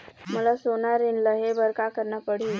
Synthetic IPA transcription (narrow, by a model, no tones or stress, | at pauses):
məlasonaɾinləɦebəɾkakəɾnəpəɽ̤i